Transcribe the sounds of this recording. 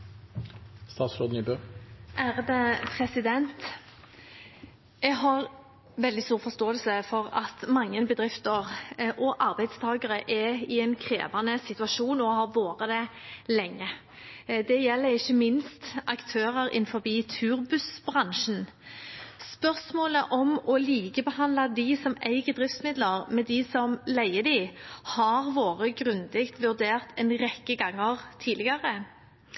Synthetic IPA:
st̪ɑːt̪sɾoːd̪niːbøʔæːʁd̪ɛpʰʁɛsɪd̪ɛnt̪ | ɛɡɦɑʁ | ʋɛld̪ɪst̪uːʁfɔst̪oːəlsəfɔʁɑt̪mɑŋːənbəd̪ʁɪft̪əʁʔɔʔɑʁbæɪd̪st̪ʰɑːɡəʁəʔɛɪɛnkʰʁḛːʋɑnəsɪt̪ʉɑʃuːnɔhɑʋoːʁəd̪ɛlɛŋːə | d̪ɛjɛlːəɾɪçːəmɪnst̪ʔɑkt̪ʰøːʁəɾɪ̰nfɔɾbiːt̪ʰʉːɾbʉsb̥ʁɑŋʃn̩ | spœʁsmoːləʔɔmɔliːkəbəhɑnd̪lɑd̪ɪsɔmæɪɡəd̪ɾʁɪft̪smɪd̪ləʁmɛd̪ɪsɔmlæɪəd̪ɪhɑʁʋoːʁəɡʁʉnd̪ɪkt̪ʋʉɾd̪eːʁt̪ɛnʁɛkːəɡɑŋːəʁt̪ʰiːlɪɡɑʁə

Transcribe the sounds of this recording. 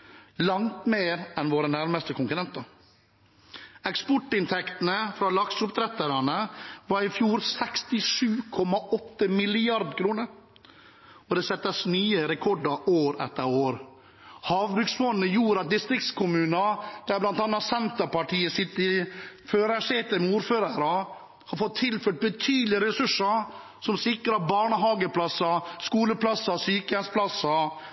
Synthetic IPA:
lɑŋt̪meːɾɛnʋoːɾənæɾməst̪əkʊŋkʉɾɛnt̪ə | ɛkspɔʈːɪnt̪ʰɛkt̪nəfɾɑlɑksʊpt̪ʰɾɛt̪əɾɑnəʋɑɾɪfjuːɾsɛkst̪ɪʂʉːkʰɔmɑɔt̪ːəmɪlɪɑɾd̪kʰɾuːnəɾ | ɔd̪ɛːsɛt̪ːəsnyːəɾɛkʰɔɖɑɾʔoːɾɛ̰t̪ːəɾoːɾ | hɑːʋbɾʉksfɔnːəjuːɾɑt̪̚d̪ɪst̪ɾɪk̚t̪skʰʊmʉːnɑd̪̥æblɑnt̪ɑnːɑt̪sɛnt̪əɾpɑʈʰiːəsɪt̪ːəføːɾæseːt̪əmɛuːɾføːɾɑɾɑ | hɑɾfɔt̪ʰːɪlføːʈ̪̚bət̪ʰyːd̪lɪəɾɛsʉʂːə | sɔmsɪkɾəɑbɑːɳəɦɑːɡəpʰlɑsɑskuːləpʰlɑsɑsyːkəɛnspʰlɑsɑ

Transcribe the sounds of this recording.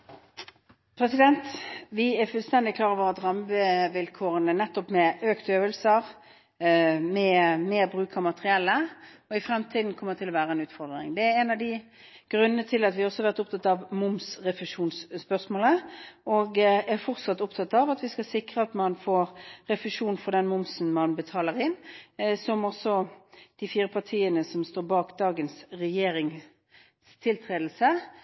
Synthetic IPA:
pʰɾɛsɪd̪ɛnt̪ʋɪæɾfʉlst̪ɛnd̪ɪkʰlɑːɾəʋoːʁɑd̪ʁɑməʋɪlkʰoːʁənənɛt̪ːɔpmɛøːkt̪øːʋəlsəʁ | mɛmeːʁbʁʉːkʰɑmɑt̪əʁɪɛlːə | ɔɪfɾɛmt̪ʰiːd̪n̩kʰɔmːət̪ʰɪlːɔʋæːɾəɛnʉːt̪fɔʁd̪ʁɪ̰ŋd̪ɛæɛnɑʋd̪ɪ | ɡ̥ɾʉnːənət̪ʰɪlːɑt̪ʋɪhɑɔsɔhɑɾʋæʁt̪ʊp̚t̪ʰɑt̪ːɑʋmʊmsʁɛfəʂuːnsspœʁsmoːləʔɔɡæʁfɔʁt̪sɑt̪ːʊpt̪ʰɑt̪ːɑʋɑt̪ʋɪskɑsɪkʁəɑt̪mɑnfoːɾɾɛfɪʂuːnfɔʁd̪ɛnmʊmsn̩mɑnbət̪ʰɑːləʁɪnsɔmɔsɔd̪̥ɪfiːɾəpʰɑʁt̪ʰiːənəsɔmst̪oːɾbɑːkd̪ɑːɡənsɾɛjeːɾɪŋ | st̪ʰɪlt̪ʰʁeːd̪l̩sə

